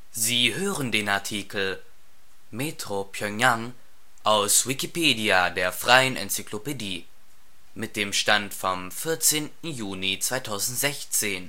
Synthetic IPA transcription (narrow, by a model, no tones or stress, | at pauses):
ziːɦøːʁəndeːnaɐtʰiːkl̩ | metʁ̥opʰjœŋaŋ | ʔaʊsvikipʰeːdiadeːɐfʁ̥aɪənʔɛ̰nt͡syklopediː | mɪt̚d̥eːmʃtantfɔmfɪɐt͡seːntn̩juːnit͡sv̥aɪtʰaʊzn̩tz̥ɛçt͡seːn